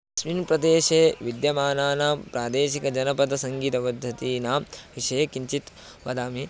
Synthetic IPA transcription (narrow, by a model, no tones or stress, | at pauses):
sʋinpɾɐd̪eːʃeːʋid̪jɐmaːnaːnaːmpɾaːd̪eːʃikɐd͡ʒɐnɐpɐd̪ɐsɐŋɡiːt̪ɐpɐd̪ʱjɐt̪iːnaːmʋiʂɐjekiɲt͡ʃit̪ | ʋɐd̪aːmi